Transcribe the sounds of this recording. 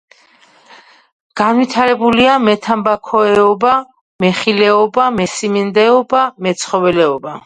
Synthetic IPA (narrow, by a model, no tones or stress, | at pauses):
ɡ̥anwit̪ʰaɾɛbuliamɛt̪ʰambakʰɔɛɔba | mɛχilɛɔbamɛsimind̪ɛɔbamɛt̪sʰχɔvɛlɛɔba